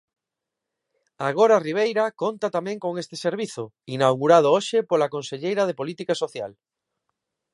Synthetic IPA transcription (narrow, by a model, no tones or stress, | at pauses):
aɣoɾariβ̞ejɾakont̪at̪amɛ̃ŋkoŋest̪e̥seɾβ̞iθʊ | inawɣuɾað̞ʊoʃepolakonseʎejɾɐðepolit̪ikasoθja̰l